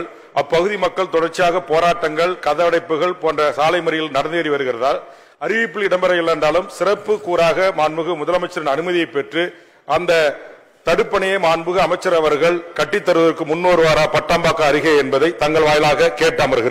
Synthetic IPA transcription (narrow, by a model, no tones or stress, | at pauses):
ʔɐpːɐɣɯðimɐkːɐɭt̪ɔɽɐɾt͡ʃːɪjaːɣɐpoːɾaːʈːɐŋɡɐɭkɐðɐʋɐɽɐɪpːɯɣɐɭpoːndrɐsaːlɐɪmɐɾɪjɪlnɐɽɐnd̪ɪɐɾɪʋɐɾɯɣɪrɐðaːl | ɐɾɪʋɪpːɪlɪɽɐmbɐɾɐjɛlːɐnd̪aːlɯmsɪrɐpːɯkːuːɾaːɣɐmaːnmɯɣɯmʊðɐlɐmɐɪt͡ʃːɐɾɪnɐnɯmɐðɪjɐɪpːɛʈrɯ | ʔɐnd̪ɐ | t̪ɐɽɯpːɐɳɐjeːmaːnbɯɣɐɐmɐɪt͡ʃːɐɾɐʋɐɾɣɐɭkɐʈːɪt̪ːɐɾɯʋɐðɐrkɯmʊnːoːɾɯʋaːɾaːpɐʈːaːmbaːkɐːɾɪɣɐɛnbɐðɐɪt̪ɐŋɡɐɭʋaːjɪlaːɣɐkeːʈːaːmɐɾɯɣɪɾɐ